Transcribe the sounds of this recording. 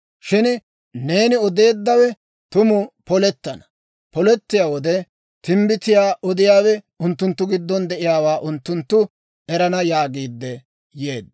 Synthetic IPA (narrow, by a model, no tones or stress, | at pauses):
ʃɪn | ne̞ːnɪɔd̪e̞ːd̪ːɐwɛ | t̪ʊmʊpɔlɛt̪ːɐnɐ̥ | pɔlɛt̪ːɪjaːwɔd̪ɛ | t̪ɪmbɪt̪ɪjaːʔɔd̪ɪjaːwɛ | ʊnt̪ːʊnt̪ːʊɡɪd̪ːɔnd̪ɛʔɪjaːwaːʔʊnt̪ːʊnt̪ːʊ | ɛɾɐnɐjaːɡiːd̪ːɛ | jeːd̪ːɐ